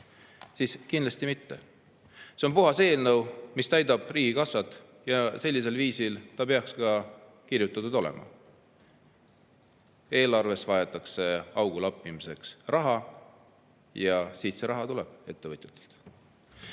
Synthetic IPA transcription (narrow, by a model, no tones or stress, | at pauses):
siskind̪lɑsʲt̪imit̪ːe̞̰ | seo̞npuɦɑse̞ːlnɤwmist̪æjd̪ɑb̥riːɡikɑsːɑt̪ːˑ | jɑse̞lʲːis̬e̞lviːsilt̪ɑpe̞ɑkskɑ | kirjut̪ːˑɑt̪ːud̪̥o̞lɛ̰mʔɑ̰ | e̞ːlɑrve̞svɑet̪ːˑɑkse̞ɑwɡ̥ulɑpːˑimise̞ksrʔɑɦɑ | jɑsiːt̪se̞ɾɑɦɑt̪ulɛ̰b̥e̞t̪ːe̞vɤt̪ju̥t̪ːˑe̥lt̪